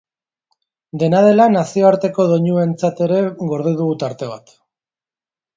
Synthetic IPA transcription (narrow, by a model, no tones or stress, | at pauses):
d̪e̞nað̞e̞lanasio̞aɾt̪e̞ko̞ðo̞ɲue̞nt͡sat̪e̞ɾe̞ɣo̞ɾð̞eðuɣut̪aɾt̪e̞β̞at̪